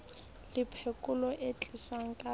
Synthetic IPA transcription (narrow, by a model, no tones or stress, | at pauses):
lɪpʰekʼʊlɔʔet͡ɬʼiswaŋ̩kʼa